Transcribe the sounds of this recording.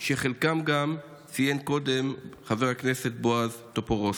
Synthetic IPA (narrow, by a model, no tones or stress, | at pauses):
ʃeχelkamɡam | t͡sijenko̞d̪e̞mχaveʁhaknese̞t̚boazt̪opoʁos